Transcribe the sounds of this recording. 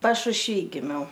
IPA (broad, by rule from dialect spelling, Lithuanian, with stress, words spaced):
pɐʃʊʃʲˈʋʲiː ɡʲɪˈmʲɛʊ